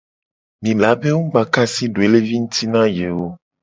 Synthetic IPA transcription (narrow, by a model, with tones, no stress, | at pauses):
mĩ˨la˨˦be˦wu˦ɡ͡ba˨ka˦si˦ɖo˨e˨le˦vi˦ŋũ˦t̪i˦nã˦je˨wo˦